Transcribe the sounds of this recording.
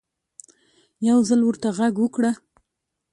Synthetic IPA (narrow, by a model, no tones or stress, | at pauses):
jawzalwəɾt̪aɣaɡwəkɽa